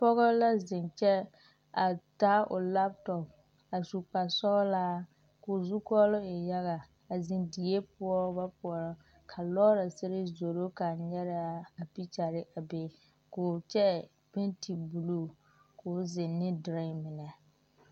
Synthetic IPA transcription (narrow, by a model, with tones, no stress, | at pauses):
pɔ˦ɣɔ˦la˦zɪ˨nt͡ʃɛ˦ | a˨ta˦ʔʊ̰˨la˦p̚tɔ˨p̚ | a˨su˨k͡pa˨sɔ˦laː˦ | ko˨zu˦kɔ˦lʊ˦ɪ˨ja˦ɣa˨ | a˨zɪ˨ndi˨e˦pʊ˦ɔ˦ba˦pʊ˨ɔ˨ɾɔ˨ | kʰa˨lɔː˦ɾa˨sɪ˦ɾɪ˦zo˨ɾo˦ka˨ɲɛ˦ɾa˦a˨pi˦t͡ʃa˨ɾɪ˦ʔa˨be˨ | koː˨t͡ʃɛ˦ | bɪ˦nti˨bu˨lu˦ | ko˨zɪ˨nːɪ˦dɾa˦˨mɪ˨nɛ˨